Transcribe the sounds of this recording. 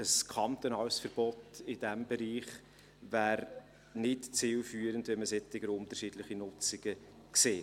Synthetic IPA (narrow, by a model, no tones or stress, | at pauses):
əskʰɑnt̪onɑwsfəɾb̥ɔtɪd̥æmbɛɾiːχ | væːɾ | nɪtt͡sɪːlfyːɾəndʋɛməsɛtːɪɡəɾʊnt̪əɾʃiːdlɪχinʊt͡sɪɡ̥ə | kseː